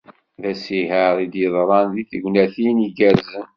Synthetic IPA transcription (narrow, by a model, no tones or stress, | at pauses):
ðæsiɦəðid̪jəðˤɾˤɑnðiθəɡʷnæθiniɡæɾzən